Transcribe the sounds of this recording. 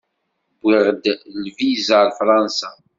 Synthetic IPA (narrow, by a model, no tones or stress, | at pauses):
bːɪʁəd̪lvizalfɾˤɑnsa